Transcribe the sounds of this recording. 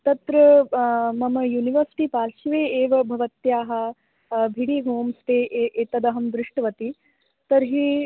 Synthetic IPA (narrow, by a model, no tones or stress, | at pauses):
t̪ɐt̪ɾɐ | mɐmɐjuːniʋɐɾsi̥ʈipaːlʃiʋeːeːʋɐbʱɐʋɐt̪jaːɦɐ̆ | bʱiɽiːɦoːmst̪eːʔʔeːt̪ɐd̪ɐɦɐmd̪ɾɪʂʈɐʋɐt̪i | t̪ɐɾɦiː